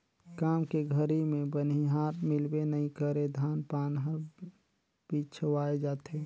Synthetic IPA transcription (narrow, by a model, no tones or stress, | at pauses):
kaːmkeɡʱəɾimẽbəniɦaːɾmɪlbenəɦĩkəɾed̪ʱaːnpaːnɦəɾ | bit͡ʃʰəʋaːed͡ʒaːt̪eː